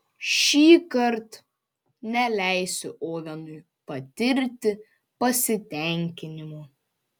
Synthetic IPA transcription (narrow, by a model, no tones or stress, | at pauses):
ʃʲiːkɐɾt̪ | nʲɛlʲæˑɪsʲʊʔoːʋʲɛnʊɪ | pɐt̪ʲɪɾʲt̪ʲɪ | pɐsʲɪt̪ʲɛˑŋʲkʲɪnʲɪmuː